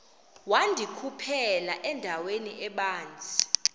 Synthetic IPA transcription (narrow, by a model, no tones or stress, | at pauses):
wandʱikʰupʰɛlaʔɛndʱaweniʔɛɓaːnd͡zʱi